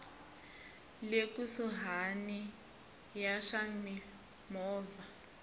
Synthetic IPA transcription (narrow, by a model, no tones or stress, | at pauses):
lekusuɦani | jaʂami | mɔːva